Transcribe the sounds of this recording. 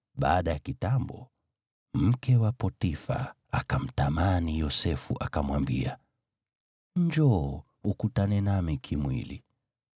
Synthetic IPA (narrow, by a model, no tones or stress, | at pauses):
ɓa̰ːɗajakitambɔ | m̩kɛwapɔtifa̰ | akam̩tamanijɔsɛfṵʔakamwambḭa | d͡ʒɔː | ukutanɛnamikʰimwḭlḭ